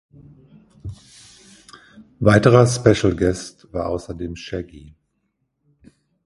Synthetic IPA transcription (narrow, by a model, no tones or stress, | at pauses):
vaɪtəʁɐspɛʃl̩ɡɛstv̥aːɐʔa̰ʊsɐdeːmʃɛɡi